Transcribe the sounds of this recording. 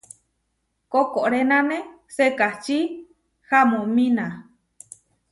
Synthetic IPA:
kokoɾenãnẽ | sekat͡ʃi | hamõmĩna

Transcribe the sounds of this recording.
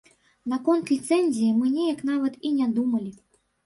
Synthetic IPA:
nakɔnt̪lʲit̪sɛnʲzʲijimɨnʲɛjɐknavɐt̪inʲad̪umɐlʲi

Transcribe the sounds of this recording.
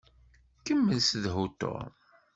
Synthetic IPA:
kəmːənsðɦut̪o̰

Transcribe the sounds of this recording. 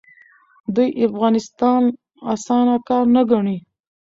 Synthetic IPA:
d̪ujʔafɣɑnɪst̪ɑn | asɑnakɑɾnaɡaɳi

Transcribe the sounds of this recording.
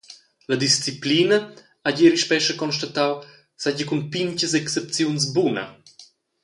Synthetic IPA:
lɐd̪ist͡siplinɐ | aɟeɾiʃpɛʃəkɔnʃtat̪aw | saɟəkunpiɲcəsɛksep̚t͡sjuns̬bunə̰

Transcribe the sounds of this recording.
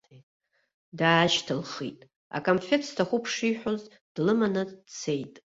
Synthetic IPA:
daːʃtʰɨlχḭtʼ | a̰kʼomfe̞tʰstʰaχʷupʰʂiħʷᶣoz | d̥lɨmanɨt͡sʰe̞jtʼ

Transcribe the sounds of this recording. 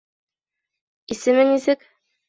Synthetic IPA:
isɘ̆mɘŋisɘk

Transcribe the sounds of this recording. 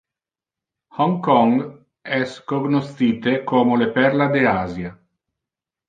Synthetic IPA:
hɔŋkɔŋɡ | ɛskoɡnost̪iːt̪ekoːmolepɛrlad̪eaːzja

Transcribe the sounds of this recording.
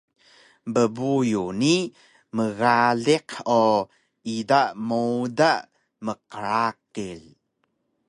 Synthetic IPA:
bəbujuni | məɣaɮiqo | idaʔmodaʔ | məqəɾakil

